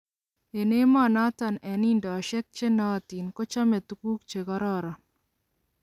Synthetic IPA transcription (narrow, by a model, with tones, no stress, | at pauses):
e˨ne˦ma˦na˦ta˨nɛ˨ni˦ndɔ˨ʃɛ˦k̚t͡ʃe˦nɔ˦ti˨nkɔ˦t͡ʃa˦mɛ˨t̪u˦ku˦k̚t͡ʃe˨kɔ˦ɾɔ˦ɾa˨